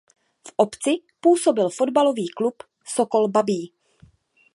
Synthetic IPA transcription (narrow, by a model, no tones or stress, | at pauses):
fʔopt͡sɪpuːso̞bɪlfo̞dbalo̞viːklup | soko̞lbabiː